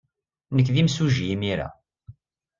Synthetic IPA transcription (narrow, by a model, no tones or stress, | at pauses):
nəkːðimsuʒjimiɾa̰